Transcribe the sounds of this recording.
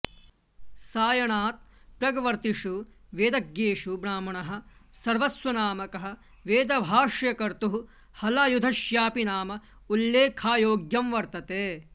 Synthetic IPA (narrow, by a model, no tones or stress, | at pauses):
saːjɐɳaːt̪̚pɾɐɡɐʋɐɾt̪iʂuʋeːd̪ɐɡjeːʂubɾaːmɐɳɐɦɐ̆sɐɾʋɐsʋɐnaːmɐkɐɦɐ̆ | ʋeːd̪ɐbʱaːʂjɐkɐɾt̪uɦu | hɐlɐːjud̪ʱɐʃjaːpinaːmɐ | ulːeːkʰaːjoːɡjɐmʋɐɾt̪ɐt̪eː